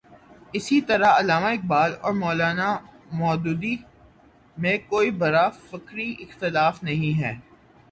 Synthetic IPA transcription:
ɪsit̪ɐɾaɐlaːmaɪk̚baːlɔ̰ːɾmɔːlaːna | mɔːd̪uːd̪i | mẽkoːibɐɾafɪkɾiʔɪxt̪ɪlaːfnɐɦĩɦɛː

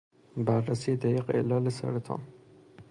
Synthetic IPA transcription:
bæɾːæsiːed̪æjiːqḛlɒːlesæ̰ɾet̪ʰɑ̰ːn

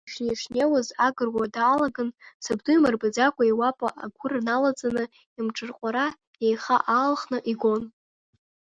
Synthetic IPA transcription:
ʂneʂnewazaɡɨrwadaːlaɡɨnsɨbdujmarbad͡zakʷʼaiwapʼa̰ʔaɡʷʊrnalad͡zʼanɨ | imʈ͡ʂʼɨrqʷʼaɾa | jejχa̰ʔaːlχnɨʔiɡʷo̞n

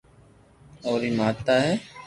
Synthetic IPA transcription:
oːɾiːmaːt̪aːɦɛː

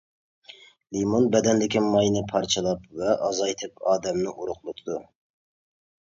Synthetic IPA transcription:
limonbɛd̪ɛnlɪkʲimɑjnɨpʰɑɾt͡ʃʰɨlˠɑpvɛʔɑzɑjt̪ʰɨpɑːd̪ɛmnɪʔuɾʊqlˠot̪ʰɨd̪u

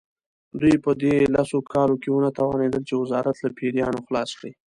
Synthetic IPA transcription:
d̪ujpəd̪elasokʰɑlokewunat̪awɑned̪əlt͡ʃewɪzɑɾat̪lapʰeɾjɑnoxlɑskɽi

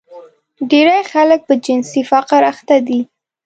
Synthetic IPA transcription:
ɖeɾajxalək̚pəd͡ʒɪnsifaqɪɾaxt̪ad̪i

